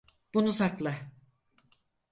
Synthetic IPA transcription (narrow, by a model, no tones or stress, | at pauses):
b̥unusaklˠa